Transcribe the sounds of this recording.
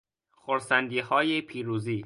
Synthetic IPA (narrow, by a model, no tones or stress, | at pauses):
xoɾsænd̪iːhɒːjepʰiːɾuːziː